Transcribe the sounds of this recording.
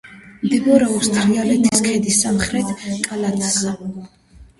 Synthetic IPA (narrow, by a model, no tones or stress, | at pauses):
md̪ibɔɾɛɔst̪ʰʼɾialɛt̪ʰiskʰɛd̪isːamχɾɛt̪ʰkʼalat̪ʰazɛ